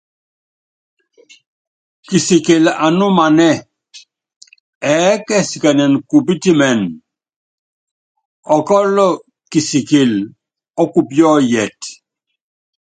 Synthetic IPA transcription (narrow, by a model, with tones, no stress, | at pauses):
ki˨sike˨la˨nu˦ma˨nɛ˦ | ɛkɛ˦si˨ka˨nɛ˨nku˨bi˦ti˦mɛ˨n | ɔ˨kɔ˦lɔ˦ | ki˨si˨ki˨l | ɔ˦kupjɔ˦jɛ˨t